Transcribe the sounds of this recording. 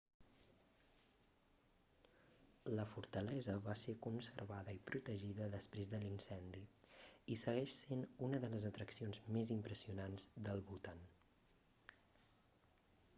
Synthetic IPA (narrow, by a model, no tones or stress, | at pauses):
ləfuɾt̪əlɛzəβasekunsəɾβaðəipɾut̪əʒiðəðəspɾezðəlinsɛnd̪iisəɣɛʃsenunəðələzət̪ɾəksionzmezimpɾəsiunanzd̪əlˠβulˠt̪an